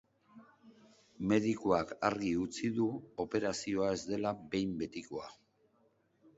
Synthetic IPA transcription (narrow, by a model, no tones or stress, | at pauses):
me̞ðikoakaɾɣiut͡siðuo̞pe̞ɾasio̞ae̞zd̪e̞labe̞jmbe̞t̪ikoa